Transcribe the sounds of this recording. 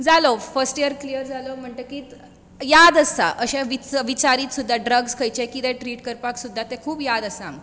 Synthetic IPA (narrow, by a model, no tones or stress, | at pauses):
d͡zalofəɾsʈijəɾklijəɾd͡zalom̤əɳʈ̪əkiː | jad̪əsa̰ʔəɕaʋiʋit͡ɕaɾiːt̪sud̪ʱːaɖɾəɡskʰəjt͡ɕekit̪ɛ̃ʈɾiːʈkəɾpaksud̪ʱːat̪ẽkʰuːbjad̪əsam